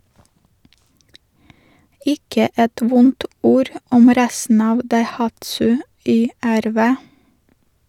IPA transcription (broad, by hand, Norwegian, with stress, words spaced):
ˈɪkə ˈɛt ˈʋʊnt ˈuːɾ ˈɔm ˈɾæsn̩ ˈɑːʋ dɑɪˈhɑtsʉ ˌyːˌæɾˈʋeː